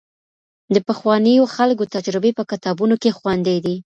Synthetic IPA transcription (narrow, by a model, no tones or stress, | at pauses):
d̪əpəxwɑnəjoxalkot̪ad͡ʒɾɪbepəkɪt̪ɑbunokexwand̪ejd̪i